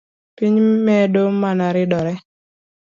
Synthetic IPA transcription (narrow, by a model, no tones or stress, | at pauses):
piɲmɛdomanaɾɪdɔɾɛ